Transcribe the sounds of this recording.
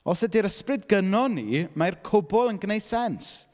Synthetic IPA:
ɔsɛdiɾəsprɨdɡənɔnimarkʰʊbɔlˠənɡənejsɛns

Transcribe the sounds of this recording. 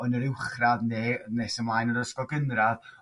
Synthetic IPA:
ɔnəɾɪwχraðneːnɛsəmlˠajnəɾəskɔɡənrað

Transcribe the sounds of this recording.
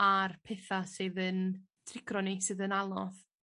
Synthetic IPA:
arpʰeθasɨːðən | tʰrɪɡrɔnisɨːðənalˠɔθ

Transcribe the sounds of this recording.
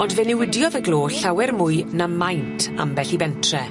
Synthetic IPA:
ɔndvɛnɪwɪdjɔðəɡlˠoːɬawɛrmʊɨnamajntʰa̰mbɛɬibɛntʰrɛ

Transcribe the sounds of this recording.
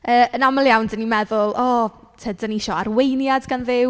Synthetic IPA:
əːənaməlˠjawndənimɛðʊlˠʔɔ | tʰədəniʃɔaɾwejnjadɡanðɪw

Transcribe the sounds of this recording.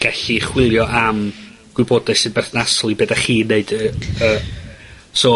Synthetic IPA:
ɡ̥aɬiχwɪlˠjɔʔam | ɡ̥wɪbɔdaɨsɨːðbɛrθnasɔlˠibeːdaχiːneɨd̥əə | soː

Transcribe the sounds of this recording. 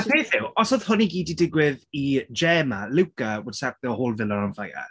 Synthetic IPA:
afeːθɪwɔsɔð̥hʊniɡiːdidɪɡwɪðid͡ʒɛːmalɪwkawəd̥sap̚ðɛɔhoːlˠvɪlˠɔnanfaja̰

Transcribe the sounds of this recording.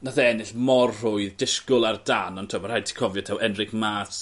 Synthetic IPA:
naθaɛnɪɬmɔrrʊɨðdɪskʊlˠardanɔntʰuamarhajtʰi̥kʰɔvjɔtʰawʔɛnrɪkmas

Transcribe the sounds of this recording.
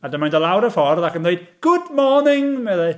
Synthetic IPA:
adəmaj̃ndəlˠawɾəfɔrðakə̃nðeɨd̚ɡ̥ʊdmɔɹnɪŋmɛðɛ

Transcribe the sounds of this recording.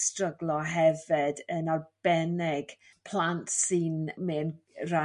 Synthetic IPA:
strəɡlˠɔɦɛvɪdənɔrb̥ɛnɪɡ̥ | pʰl̥ˠantsinmeːnra

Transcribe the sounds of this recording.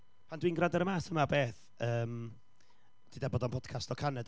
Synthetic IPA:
pʰandwiːnɡradaɾəmaːsəmabeːθ | əːm | d̥idaboːdɔnpʰɔd̥kʰastɔkʰanɛd

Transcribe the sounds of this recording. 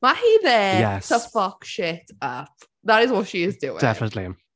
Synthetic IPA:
mahiðɛjɛsʰəfʌkʃɪt | ʌp | ðəɾɪzwɒtʃiɪzdʉːɪ̰d̥ɛfənətlim

